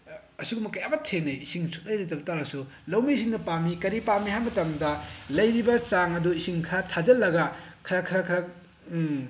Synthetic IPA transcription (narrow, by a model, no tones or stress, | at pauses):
ɐsuɡumɐkɐjabɐtʰeneisiŋsʰu̥k̚lɐjɾitɐbutaɾɐsu | lɐwmiːs̬iŋnɐpamikɐɾipamiɦhajmɐtaŋdɐlɐjɾibɐt͡ʃaŋɐduisiŋkʰatʰazɐlːɐɡɐkʰɐɾakʰɐɾakʰɐɾa